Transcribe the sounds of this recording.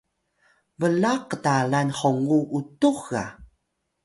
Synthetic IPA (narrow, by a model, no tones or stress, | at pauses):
vəlaqdalanħoŋuʔutuxa̰